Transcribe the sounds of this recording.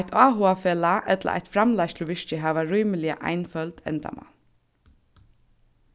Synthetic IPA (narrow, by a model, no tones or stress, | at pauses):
t̪ʰaːɦʊafeːlaʔɛt̪la̰ʔa̰jt̪fɾamlajst̪ʰɪlʋɪʂt͡ʃɪɦæːʋaɾujmɪlɪa̰ʔa̰jnfœlt̪ɛ̰nt̪a̰ma̰n